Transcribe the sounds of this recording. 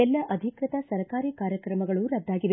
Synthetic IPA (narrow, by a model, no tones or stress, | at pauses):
ɛlːɐʔɐd̪ʱikɾɐt̪ɐsɐɾkaːɾiːkaːɾjɐkɾɐmɐɡɐɭuɾɐd̪ːaːɡiʋe